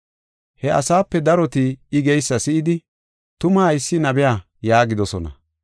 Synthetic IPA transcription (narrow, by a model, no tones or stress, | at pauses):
hɛʔɐ̰saːpːɛd̪ɐɾɔt̪ɪːɡɛjsːɐsɪʔɪd̪ɪ | t̪ʊmajɪsːɪnɐbɪjaː | jaːɡɪd̪ɔsɔnɐ̰